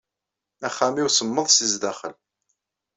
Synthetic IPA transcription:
æχːæmiwsəmːəðˤsizd̪æχəl

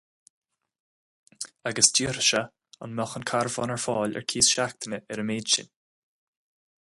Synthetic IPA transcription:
aɡəsd͡ʒiːɾʃə | a̰nmɔxənkʰaɾvɔnɛɹfɑːlɛ̰ɹkʰiːsʃak̚t̪ʰənəʔɛɾəmeːdʃɪ̰n

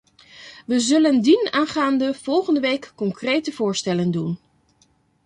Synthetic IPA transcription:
ʋəzɵləndinaːnχaːndəv̥ɔlˠχəndəʋejkːɔŋkrejtəvʊːɹstɛləndun

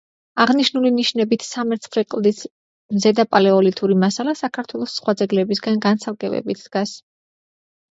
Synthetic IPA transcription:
aʁniʃnuliniʃnɛbit̪ʰsamɛɾt̪sʰχɾɛqʼlˠd̪is | mzɛd̪apʼalɛɔlit̪ʰuɾimasalasakʰaɾt̪ʰwɛlˠɔsːχwad̪zɛɡlɛbisɡanɡansalˠɡʼɛbɛ̰bit̪ʰd̪̥ɡas

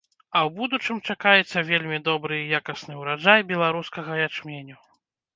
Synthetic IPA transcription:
ɐwbud̪ut͡ʂɨmt͡ʂakajɛt̪sːɐvʲelʲmʲid̪ɔbɾɨjakɐsnɨwɾaʐajbʲɛlˠaɾuskɐɣɐjat͡ʂmʲenʲu

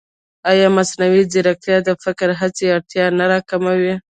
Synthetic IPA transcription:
ɑjɑmasnawiziɾak̚t̪jɑd̪əfɪkɾɦat͡seaɽt̪jɑnaɾɑkamawi

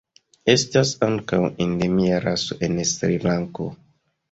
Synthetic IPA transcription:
e̞stasaŋkawendemiaɾaso̰ʔe̞nsɾilaŋko̰

